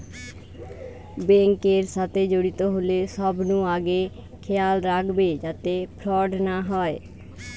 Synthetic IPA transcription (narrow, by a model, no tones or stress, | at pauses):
bẽːŋkeɾsat̪ʰed͡ʒoɽit̪oɦolesɔbnũaːɡe | kʰejaːlɾakʰbed͡ʒaːt̪epʰɾɔːɖnaɦɔːe